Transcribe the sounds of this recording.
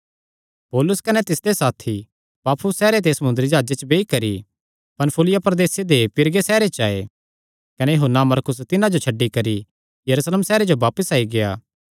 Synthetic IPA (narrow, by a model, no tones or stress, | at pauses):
poːlʊskɐnɛt̪ɪsd̪esaːt̪ʰi | paːpʰʊsːɛːɾet̪̬esɐmʊ̃nd̪ɾid͡ʒaːd͡ʒet͡ʃbeːikɐɾi | pɐnpʰʊlɪjapɾd̪eːsed̪epɪɾɡesɛːɾet͡ʃaːḛ | kɐnɛjɐɦonːamɐɾkʊs̬t̪ɪnãd͡ʒot͡ʃʰɐɖːikɐɾi | jɐɾuːsleːmsɛːɾed͡ʒoʋaːpəsaːiɡeja̰ː